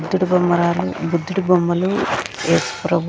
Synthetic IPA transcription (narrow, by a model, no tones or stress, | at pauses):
d̪ːuɽubɐmːɐɾaːlubud̪ːuɽubɐmːɐlueːsu̥pɾɐbʱ